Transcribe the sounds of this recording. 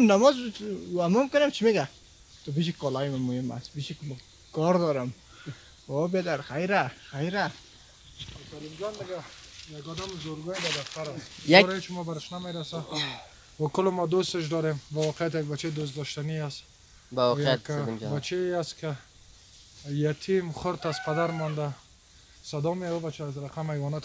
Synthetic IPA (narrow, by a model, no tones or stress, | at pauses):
namɔzamʊmkʊnemt͡ʃʰimeɡa | t̪ʊbiʃikɔlɔjmamʊɪma̰sbiʃik | kɔɾd̪ɔɾɪm | obed̪aɾxajɾaxajɾa | at̪aɾimɡand̪ɪɡajaɡɔd̪amzoɾɡɔjd̪ad̪aft̪aɾasɾet͡ʃmɔbaɾɪʃnameɾasa | bakʊlɪmɔd̪ost̪ɪʃ̬d̪ɔɾembawɔqʰejat̪jaɡ̚bat͡ʃʰed̪os̬t̪d̪ɔʃt̪aniast̪ | jkbat͡ʃʰeast̪kʰɪ | jat̪ʰimχʊɾt̪azpʰad̪aɾmɔnd̪a | sad̪ɔmiaubat͡ʃʰaːzɾaqʰamhajvɔnat̪